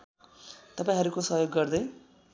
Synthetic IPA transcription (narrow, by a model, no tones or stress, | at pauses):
t̪ʌpãĩɦʌɾukosʌɦjoɡːʌrd̪ʌj